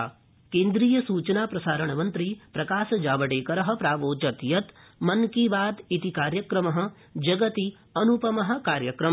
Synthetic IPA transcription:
kẽːnd̪ɾiːjɐsuːt͡ʃɐnaːpɾɐsaːɾɐɳ̃mɐnt̪ɾipɾɐkaːsɐd͡ʒaːʋɐʈeːkɐɾɐɦɐ̆pɾaːʋoːd͡ʒɐt̪jɐt̪ | mɐnkiːʋaːd̪it̪ikaːɾjɐkɾɐmɐɦɐ̆ | d͡ʒɐɡɐt̪i | ɐnupɐmɐɦɐ̆kaːɾjɐkɾɐm

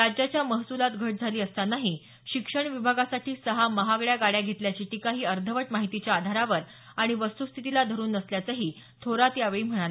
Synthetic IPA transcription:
ɾad͡ʑjat͡ɕjaməɦsulat̪ɡʱəʈ̚d͡zʱaliːəst̪anaɦi | ɕikʂəɳʋibʱaɡasaʈʰiːsəɦaməɦaɡɭjaɡaɽjaɡʱet̪ljat͡ɕiːʈikaɦiːəɾd̪ʱəʋəʈmaɦit̪it͡ɕjaːd̪ʱaɾaʋəɾ | aɽ̃iʋəst̪ust̪ʰit̪ilad̪ʱəɾuːnəsljat͡səɦiː | t̪ʰoɾat̪jaʋeɭiːm̤əɽ̃ala

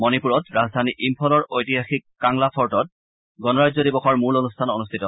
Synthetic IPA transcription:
mɔnipuɹɔtɹazdʱaniʔimpʰɔlɔɹojtiɦaxikːaŋlapʰɔɹtɔt̚ | ɡɔnɔɹazɔdibɔxɔɹmulonustʰanɔnustʰitɔ

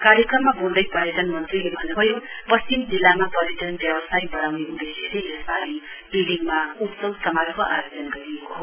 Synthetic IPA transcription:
kaɾjʌkrʌmːabold̪ʌjpajedʌnmʌnt̪rilebʱʌnːebʱʌjopʌst͡ʃimd͡zilːamapʌɾit̪ʌnbjʌbʌsajbʌɽ̃awneud̪esileesbaɾi | biliŋmaut̪sʌwsʌmaɾkoʔa̰jod͡zʌnɡʌɾiekoɦo

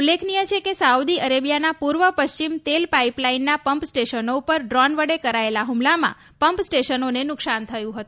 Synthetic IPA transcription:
ulːekʰnijət͡ʃʰekesaud̪iəɾebijanapuɾʋəpəʃt͡ʃimt̪elpaiplainːapəmpsʈeʃənoupəɾɖɾɔnʋəɽekəɾaelaɦumlamã̰ | pəmpsʈeʃənonenʊksant̪ʰəjũɦət̪ũ

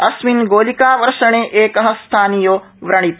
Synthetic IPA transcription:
ɐsminɡoːlikaːʋɐɾʃəɽ̃ẽʔeːkɐɦə̃st̪ʰaːnijoː | ʋɾɐɽ̃it̪

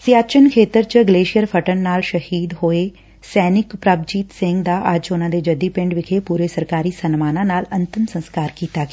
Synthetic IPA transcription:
sɪjaːt͡ʃənkʰeːt̪əɾt͡ʃəɡleːʃɪjəɾpʰəʈənːaːlʃəhiːd̪ɦoːeː | sɛːnɪkpɾəb̚d͡ʒiːt̪sɪ̃ŋɡd̪aːʔəd͡ʒʊnãːd̪eːd͡ʒəd̪iːpɪ̃ɳɖʋɪkʰeːpuːɾeːsəɾkaːɾiːsənmaːnãːnaːlənt̪əmsənskaːɾkiːt̪aːɡe

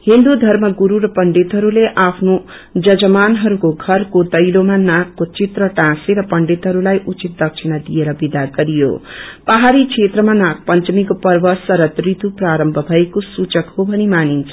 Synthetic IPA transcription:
hind̪ud̪ʱʌrmʌɡuɾuɾʌpʌɳɖet̪ɦʌɾuleʔapʰno | d͡zʌd͡zʌmanɦʌɾukoɡʱʌrkod̪ʌjlomanãkːot͡sit̪rʌʈãseɾʌpʌɳɖet̪ɦʌɾulajʔut͡sit̪̚d̪ʌk̚t͡sʰinʌd̪ijeɾʌbid̪aɡʌɾijo̰paɦaɾikʰet̪rʌmanãk̚pʌnt͡sʌmikopʌrbʌsʌɾʌt̪rit̪upraɾʌmbʱʌbʱʌekosut͡sʌkɦobʱʌnimanint͡sʰʌ

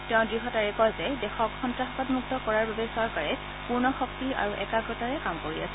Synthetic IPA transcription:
tɛʊ̃dɹiɦɔtaɹɛkɔjzɛdɛxɔkxɔntɹaɦɔkɔtmuk̚tɔkɔɹaɹbabɛsɔɹkaɹɛ | puɹnɔxɔk̚tia̰ɹuʔɛkaɡɹɔtaɹɛkamkoɹia̰sɛ

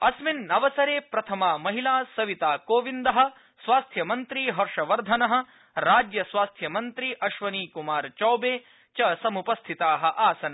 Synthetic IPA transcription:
ɐsminɐʋɐsɐɾeːpɾɐt̪ʰɐmaːmɐɦilaːsɐʋit̪aːkoːʋind̪ɐɦɐ̆ | sʋaːst̪ʰjɐmɐnt̪ɾiːɦɐɾʂɐʋɐɾd̪ʱɐnɐɦɐ̆ | ɾaːd͡ʒjɐsʋaːst̪ʰjɐmɐnt̪ɾiʔɐʃʋɐniːkumaːɾt͡ʃɐwbeː | t͡ʃɐsɐmupɐst̪ʰit̪aːɦɐ̆ʔaːsɐnɐ

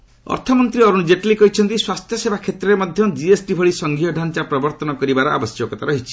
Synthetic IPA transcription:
ɔ̰ɾt̪ʰɔmɔnt̪ɾiɔɾund͡ʒeʈlikɔɦit͡ʃʰɔnt̪iswast̪ʰjɔsebʱakʰet̪ɾɔɾemɔd̪ʱjɔd͡ʒiesʈibʱɔɭisɔŋɡʱiɔɖʱant͡ʃapɾɔbɔɾt̪ɔnɔkɔɾibaɾɔa̰bɔsjɔkɔt̪aɾɔɦit͡ʃʰi̥

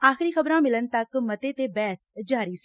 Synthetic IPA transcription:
aːxɪɾiːxəbɾãːmɪlənt̪əkmət̪eːt̪eːbɛːsd͡ʒaːɾiːs

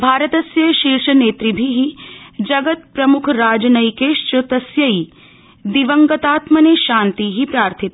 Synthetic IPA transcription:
bʱaːɾət̪ɐsjɐjʃiːɾʃɐneːt̪ɾibʱiɦid͡ʒɐɡət̪̚pɾɐmukʰɾaːd͡ʒɐnɐjkeːʃt͡ʃot̪ɐsjɐi | d̪iʋəŋɡɐt̪aːt̪mɐneʃãːnt̪iɦipɾaːɾt̪ʰit̪

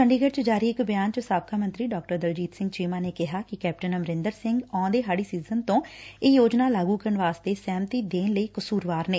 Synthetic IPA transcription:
kəɳɖiːɡəɾt͡ʃəd͡ʒaːɾiːɪkbɪjaːnt͡ʃəsaːb̚kʰaːmənt̪ɾiːɖɔːk̚ʈəɾd̪əld͡ʒiːt̪sɪ̃ŋɡt͡ʃiːmãːneːkɪɦaːkɪkɛːp̚ʈənəmɾɪnd̪əɾsɪŋɡɔ̃ːd̪eːɦaːɽiːsiːzənt̪õːeːjoːd͡ʒnaːlaːɡuːkəɾəɳʋaːst̪eːsɛːmt̪iːd̪eːnləiːkəsuːɾʋaːɾneː

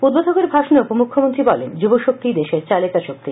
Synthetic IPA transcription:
ud̪̚bod̪ʱokeɾbʱaʃoneupomukʰːomont̪ɾibɔlend͡ʑuboʃok̚t̪id̪eʃeɾt͡ɕalet̪aʃok̚t̪i

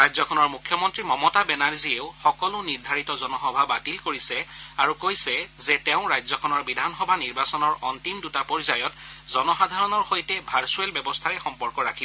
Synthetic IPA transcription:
ɹajzɔkʰɔnɔɹmukʰːjɔmɔntɹimɔmɔtabɛnaɹzieʊxɔkɔlʊniɹd̪ʱaɹitɔzɔnɔxɔbʱabatilkoɹisɛaɹukojsɛzɛtɛʊ̃ɹajzɔkʰɔnɔɹbidʱanxɔbʱaniɹbasɔnɔɹɔntimdutapɔɹzajɔtzɔnɔxadʱaɹɔnɔɹxojtɛbʱaɹsuɛlbɛbɔstʰaɹɛxɔmpɔɹkɔɹakʰibɔ

